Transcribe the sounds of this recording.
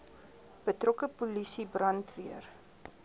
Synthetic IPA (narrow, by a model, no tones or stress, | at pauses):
b̥ətrɔkəpulisibrɐntviər